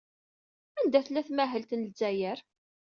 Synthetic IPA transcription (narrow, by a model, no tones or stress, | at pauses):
ænd̪æθlæθmæɦəlt̪nəlzæjəɾ